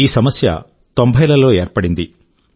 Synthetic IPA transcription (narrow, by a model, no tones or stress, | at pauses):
iːsɐmɐsjɐ̰ | t̪ombʱɐjlɐlo̞ːeːɾpɐɽind̪i